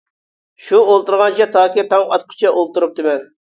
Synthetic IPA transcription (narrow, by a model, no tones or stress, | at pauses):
ʃuolˠt̪uɾʁɑnt͡ʃʰɛt̪ʰɑːkʲit̪ʰɑŋɑt̪̚qʰʊ̥t͡ʃʰɛʔolˠt̪uɾup̚d̪ɪmɛn